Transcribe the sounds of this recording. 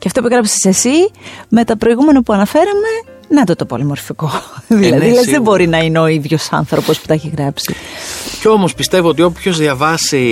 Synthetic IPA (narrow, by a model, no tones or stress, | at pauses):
ceɐft̪opuɣɾɐpi̥sesesime̞t̪ɐpɾo̞iɣume̞nɐpuɐnɐfe̞ɾɐme̞ | nɐt̪ot̪opo̰limo̞ɾfiko̞ðilɐðilezðebo̞ɾinɐineo̞iðʝo̞sɐ̰nθɾo̞po̞spu̥t̪ɐeçiɣɾɐpsico̞mo̞spist̪e̞voo̞t̪̬io̞pço̞zðjɐvɐsi